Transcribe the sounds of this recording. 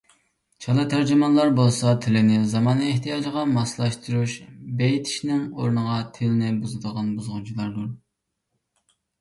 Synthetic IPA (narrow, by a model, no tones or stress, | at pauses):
t͡ʃʰɑlˠɨt̪ʰæɾd͡ʒymɑnlˠɑɾbolˠsɑt̪ʰɪlɪnɪzɑmɑːneht̪ʰijɑːd͡ʒʁɑmɑslˠɑʃt̪uɾuʃbejit̪ʰi̥ʃnɪŋoɾnəʁɑt̪ʰɪlɪnɪbuzɨd̪əʁɑnbuzʁʊt͡ʃʰilˠɑɾd̪uɾ